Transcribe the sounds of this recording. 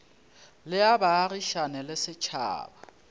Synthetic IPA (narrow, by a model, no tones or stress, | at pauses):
lɪabaːriʃanɛlɪsɪt͡ʃʰa̰ːba